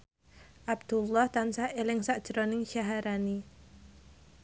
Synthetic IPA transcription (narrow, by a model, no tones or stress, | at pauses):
ʔab̚d̪̥ulːɔht̪ansaʔelɪŋsaʔd̥ʒ̥ɾonɪŋʃaɦaɾani